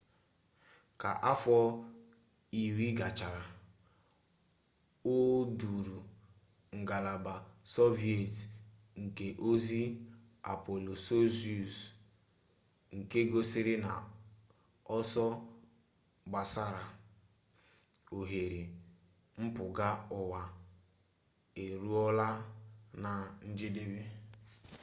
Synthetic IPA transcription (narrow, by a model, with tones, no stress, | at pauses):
ka̰˨ʔa˦fɔ˦ | i˨ɾi˦ɡa˨t͡ʃa˨ɾa˨ | o˦du˨ɾu˨ | ŋ̩˨ɡa˨la˨ba˨so˦vi˦e˨t | ŋ̩˨ke˨ʔo˦zi˦ | a̰˨po˨lo˨so˦zi˦u˨s | ŋ̩˨ke˦ɡo˦sɪ˦ɾɪ˦na̰˨ | ɔ˦sɔ˦ | ɡ͡ba˨sa˦ɾa˨ | o˨ɦe˨ɾi˨ | m̩˦pʊ˨ɡa˦ɔ˨wa˨ | e˨ɾu˦ɔ˦la˦na˨n̩˦d͡ʒi˦de˦be˦